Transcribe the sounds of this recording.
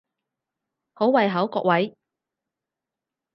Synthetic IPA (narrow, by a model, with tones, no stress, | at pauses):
ho˨˥wwɐ˨˧jɦɐ˨˥wkɔ̰ː˧k̚wɐ˨˥j